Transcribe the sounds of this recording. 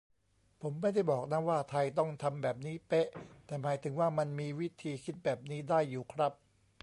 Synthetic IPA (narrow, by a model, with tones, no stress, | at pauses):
pʰo˩˦mːa˥˩jda˥˩jbɔː˨˩k̚na˦˥waː˥˩t̪ʰa˧jt̪ɔ˥˩ŋt̪ʰa˧mbɛː˨˩p̚niː˦˥pe˦˥ʔt̪ɛː˨˩maː˩˦jt̪ʰɯ˩˦ŋwaː˥˩ma˧nmiː˧wi˦˥t̪ʰiː˧kʰi˦˥t̪̚bɛː˨˩p̚niː˦˥daː˥˩jːuː˨˩kʰɾa˦˥p̚